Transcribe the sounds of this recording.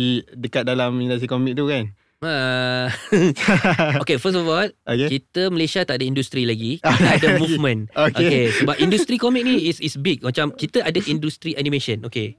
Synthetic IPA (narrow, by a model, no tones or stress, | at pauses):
idəkat̪̚dalamindust̪ɾikomik̚t̪ukan | a | okefəs̬tɔfɔlʔokekit̪əməlesat̪aʔ̚dəindust̪ɾilaɡiadəmuvmə̃nokʔoekesəbap̚ʔindust̪ɾikomik̚nĩisisbik̚mat͡ʃamkit̪əʔadəʔindust̪ɾiʔanĩmẽʃə̃noke